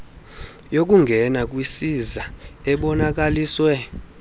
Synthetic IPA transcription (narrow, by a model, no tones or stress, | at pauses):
jok̬ʼuŋɡʱɛnak̬ʼwisizaɛɓɔnak̬aliːswɛ